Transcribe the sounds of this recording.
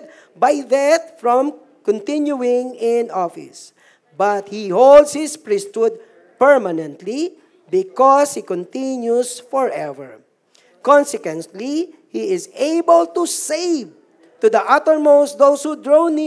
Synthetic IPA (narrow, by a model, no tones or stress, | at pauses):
d̪̚ | bajðat̪̚fɹɔ̃m | kɔ̃nt̪ɪ̃njuɪ̃ŋɪ̃nɔfɪ̰s | bat̪̚hihold̪shɪspɹist̪ud̪̚ | pɛɹmanɛ̃nt̪li | bɪkɔshikɔ̃nt̪ɪ̃njusfɔɹɛvɛ̰ɹ | kɔ̃nsɛkwɛ̃nt̪li | hiɪzeɪbəlt̪useɪv | t̪ud̪ɐʔʌt̪əɹmoʊstd̪oʊshud̪ɹonɪ